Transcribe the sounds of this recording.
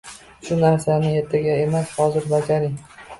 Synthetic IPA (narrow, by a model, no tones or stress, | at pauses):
ʃʊnaɾsanɪe̞ɾt̪ʰaɡʲae̞mashɒzɪɾbad͡ʒaɾɪŋ